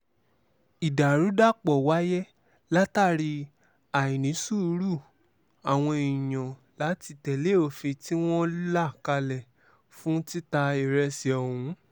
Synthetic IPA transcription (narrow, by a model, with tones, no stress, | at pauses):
i˨da˨ɾu˨˦da˦˨k͡pɔ˨wa˦jɛ˦ | la˦ta˦˨ɾi˧ | a˨ĩ˨nĩ˨˦su˦˨˧ɾu˦˨ | a˨w̃ɔ̃˧i˨j̃ã˨ | la˨˦ti˧tɛ˨le˦o˨fe˧ti˦w̃ɔ̃˦la˦˨ka˧lɛ˨ | fũ˦ti˦ta˧e˨ɾɛ˧si˨ɔ˨hũ˨˦